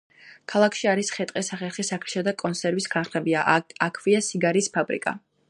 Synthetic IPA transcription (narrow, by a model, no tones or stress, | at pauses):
kʰalˠakʰʃiaɾisχɛt̪ʼqʼɛsaχɛlˠχisakʰlʃad̪akʼɔnsʰɛɾvisɡanχnɛbiaakʰviasiɡaɾispʰabɾḭkʼa̰